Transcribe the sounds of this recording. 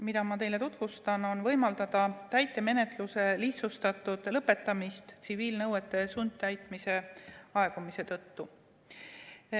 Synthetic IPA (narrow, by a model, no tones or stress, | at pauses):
mid̪̥ɑmɑt̪e̞jle̞t̪ut̪vust̪ɑno̞nvɤ̞jmɑld̪̥ɑd̪̥ɑt̪æjt̪ːˑe̞me̞ne̞t̪luse̞liht̪sust̪ɑt̪ːˑud̪̥lɤpːe̞t̪ːˑɑmist̪t̪siviːlnɤwet̪ːˑe̞sund̪̚t̪æjt̪ˑmise̞ɑe̞ɡ̥umise̞t̪ɤt̪ːu